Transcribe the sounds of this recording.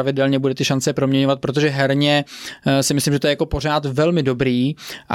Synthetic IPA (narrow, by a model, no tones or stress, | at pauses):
avɪdɛlɲɛbudɛt̪ɪʃant͡sɛpɾomɲɛɲovat̪̚pɾo̞t̪̬oʒɛɦɛɾɲɛsɪmɪslimʒɛt̪oɛjako̞po̞r̝aːt̪vɛlmɪdo̞bɾiːʔ